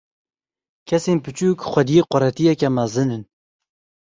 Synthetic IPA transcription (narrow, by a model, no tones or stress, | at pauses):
kʰɛseːnpɨt͡ʃuːkxʷɛd̪ijeːqɔɾɛt̪ijɛkɛmæzɨnɨn